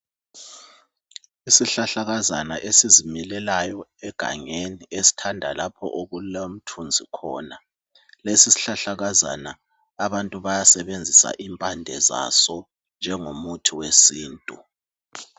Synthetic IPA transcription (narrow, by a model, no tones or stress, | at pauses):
isiɬaɬaɣazana̰ʔesizimilɛlajɔɛɡ̥ʱa̰ɲeniesi̥tʰandʱalapʰɔ̰ʔoɣulom̩tʰund͡zʱikʰɔ̰ːna | lesisi̥ɬaɬaɣaza̰naː | βantʼuβajasɛβend͡zʱisa̰ʔimpʼandʱɛ̰za̰sɔ | nd͡ʒʱɛŋomutʰiwesiːntʼu